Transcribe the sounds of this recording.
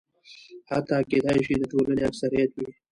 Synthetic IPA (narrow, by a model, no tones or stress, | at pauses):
hat̪aːked̪ɑjʃid̪əʈoləneafsaɾijat̪wi